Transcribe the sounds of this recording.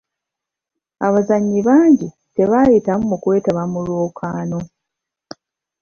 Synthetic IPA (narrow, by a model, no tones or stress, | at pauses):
a̰βazaɲːiβaːɲɟi | te̞βajitamumukwe̞ːtaβamulwoːkʰaːno̞